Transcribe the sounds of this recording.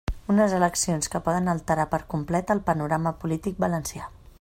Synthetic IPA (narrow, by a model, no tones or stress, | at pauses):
unəzələksionskəpɔðənəlˠt̪əɾapəɾkumplɛt̪əlˠpənuɾaməpulit̪ik̚bələnsia